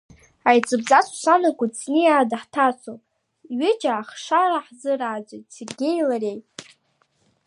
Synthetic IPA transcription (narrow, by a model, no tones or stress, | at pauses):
ajt͡sʼɨbzasu̥sanakʷʼat͡snɨjaːdaħtʰat͡sʷʰow | ɥɪt͡ʃʼaːχʂaɾaħzɨraːd͡zʷejtserɡʲejlarejtʼ